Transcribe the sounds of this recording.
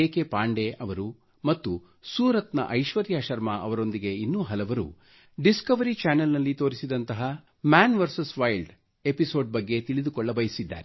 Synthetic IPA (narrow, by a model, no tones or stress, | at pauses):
eːkepaːɳɖe̞ʔɐʋɐɾu | mɐt̪ːu | suːɾɐt̪nɐ̰ʔɐjʃʋɐɾjaːʃɐɾmɐʔɐʋɐɾo̞nd̪iɡe̞inːuːɦɐlɐʋɐɾṵ | ɖiskɐʋɐɾit͡ʃaːnɐlnɐlːit̪o̞ːɾisid̪ɐnt̪ɐɦɐ | maːnʋɐɾsɐsʋɐjlɖ | episo̞ːɖ̚bɐɡːe̞t̪iɭid̪ukɔɭːɐbɐjɐsid̪ːa̰ːɾe